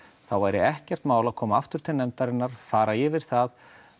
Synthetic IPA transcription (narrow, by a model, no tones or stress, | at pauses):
θawvajɾɪ̰ɛhcɛr̥t̪maːwlaðkʰɔːmaaft̪ʏɾ̥t̪ʰɪlnɛmt̪aɾɪnːaɾ̥faːɾajɛvɪɾ̥θað